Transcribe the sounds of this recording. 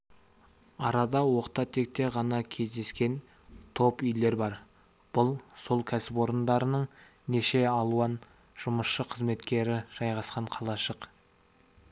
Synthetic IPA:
ɑɾɑd̪ɑwo̞qt̪ɑt̪ʰe̞k̚t̪e̞ʁɑnɑkʲʰe̞zd̪e̞skʲe̞n | t̪ʰo̞pʏjle̞ɾbɑɾ | b̥ʊlˠso̞lˠkʲʰæsɪpo̞ɾənd̪ɑɾənəɴ | ne̞ʃe̞ɑlˠuɑn | ʒ̥ʊməsʃəqʰəzme̞t̪kʲe̞ɾɪʒ̥ɑjʁɑsqɑɴqʰɑlˠɑʃəq

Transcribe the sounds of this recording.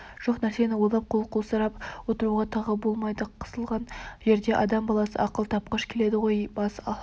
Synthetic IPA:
ʒ̥o̞qnæɾse̞nɪwolˠɑp̚qʰo̞lˠqʰolˠsɑɾɑpwo̞t̪əɾuʁɑt̪ʰɑʁəbo̞lˠmɑjd̪əqʰə̥zəlˠʁɑnʒe̞ɾd̪e̞ʔɑd̪ɑmbɑlˠɑsə̰ɑqəlˠt̪ʰɑp̚qɑʃkʲʰe̞le̞d̪ɪʁo̞jbɑsɑ

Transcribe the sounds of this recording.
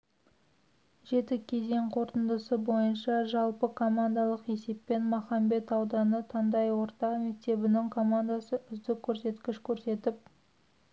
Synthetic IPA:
ʒe̞t̪ɪkʲʰe̞ze̞ŋqʰo̞ɾt̪ənd̪əsəbo̞jənʃɑʒɑlˠpəkʰo̞mand̪ɑlˠəqe̞se̞pːe̞nmɑχɑmbe̞t̪ɑwd̪ɑnət̪ʰɑnd̪ɑjwo̞ɾt̪ɑqme̞k̚t̪e̞bɪnɪŋkʰo̞mand̪asəʏzd̪ɪkʲʰːɵɾse̞t̪kʲɪʃkʲʰɵɾse̞t̪ɪp̚

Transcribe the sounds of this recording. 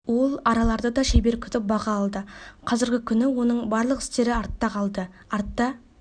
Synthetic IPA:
wo̞lˠɑɾɑlˠɑɾd̪əd̪ɑʃejbe̞ɾkʲʰʏt̪ɪp̚bɑʁɑːlˠd̪əqʰɑzɪɾɡʲɪkʲʰʏnɪwo̞nəɴbɑɾlˠəqɪ̥st̪e̞ɾɪɑɾt̪ːɑqʰɑlˠd̪ə | ɑɾt̪ːɑ

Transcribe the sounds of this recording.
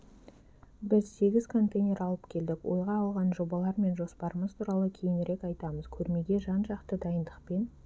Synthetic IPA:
bɪzse̞ɡʲɪzkʰo̞nt̪ejnʲe̞ɾɑlˠəpkʲʰe̞ld̪ɪkwo̞̰jʁɑːlˠʁɑnʒo̞bɑlˠɑɾme̞nʒo̞spɑɾəməzt̪ʰuɾɑlˠəkʲʰe̞jɪnɾe̞kɑjt̪ɑməz̥kʲʰɵɾme̞ɡʲe̞ʒɑnʒɑqt̪əd̪ɑjənd̪əqpe̞n

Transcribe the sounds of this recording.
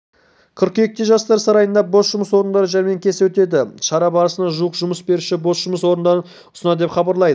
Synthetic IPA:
qʰəɾqje̞k̚t̪ɪʒɑst̪ɑɾsɑɾɑjənd̪ɑbo̞sʒʊməswo̞ɾənd̪ɑɾəʒæɾme̞ŋkʲʰe̞sɪwɵt̪e̞d̪ɪʃɑɾɑbɑɾəsənd̪ɑʒuəqʒʊməsbe̞ɾuʃɪbo̞sʒʊməswo̞ɾənd̪ɑɾə | ʊ̥sənɑd̪e̞pχɑbɑɾlˠɑjd̪ə

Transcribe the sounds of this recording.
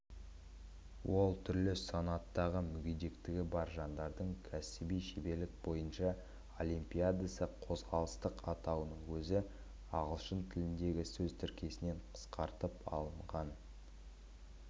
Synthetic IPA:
wo̞lˠt̪ʰʏɾlɪsonɑt̪ːɑʁəmʏɡʲed̪e̞kt̪ɪɡʲɪbɑɾʒɑnd̪ɑɾd̪əɴkʲʰæsɪbijʃebe̞ɾlɪk̚bo̞jənʃɑ | olʲˠimpʲijad̪asəqʰo̞zʁɑlˠəst̪əqɑt̪ɑwənəɴwɵzɪ | ɑʁəlˠʃənt̪ʰɪlɪnd̪e̞ɡʲɪsɵzt̪ʰʏɾkʲe̞sɪne̞ɴqʰə̥sqɑɾt̪əpɑ̰lˠəɴʁɑn

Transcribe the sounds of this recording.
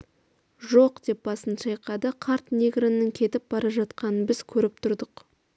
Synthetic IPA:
ʒo̞qd̪̥e̞p̚bɑsənʃɑjqɑd̪əqʰɑɾt̪nʲeɡɾanːəŋkʲʰe̞t̪ɪp̚b̥ɑɾɑʒɑt̪qɑnənbɪz̥kʲʰɵɾɪp̚t̪ʰʊɾd̪əq

